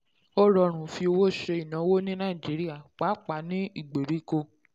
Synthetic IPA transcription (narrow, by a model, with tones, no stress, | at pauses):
o˦ɾɔ˧ɾ̃ũ˨fi˧o˧wo˦˨ʃe˧i˨nã˨˦wo˦nĩ˦nã˦i˨d͡ʒi˨˦ɾi˦a˦˨k͡pa˨˦k͡pa˨˦nĩ˦i˦˨ɡ͡be˨ɾi˨˦ko˧